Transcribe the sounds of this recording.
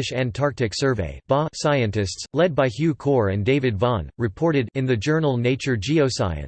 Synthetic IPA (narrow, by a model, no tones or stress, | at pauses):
ɨʃæ̃ntʰɑɹk̚tɨksɜ˞vḛɪb̥ɑsaɪɨ̃ntɨstslɛd̚baɪhjʉkʰɔɹɨ̃ndeɪvɨdvɑ̃nɹɨpʰɔɹɾɨɾɨ̃nðɨd͡ʒɜ˞nl̩ˠneɪt͡ʃə˞d͡ʒioʊsa̰ɪɨ̰̃n